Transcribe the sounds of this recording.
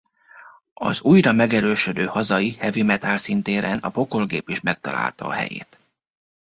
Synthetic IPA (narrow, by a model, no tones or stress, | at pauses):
ɒ̰zuːjɾɒmɛɡɛɾøːʃød̪øːhɒzɒjihɛvimɛt̪alsint̪eːɾɛnɒpo̞ko̞lɡeːpiʃmɛk̚t̪ɒla̰ːlt̪ɒːɦɛ̰jḛːt̪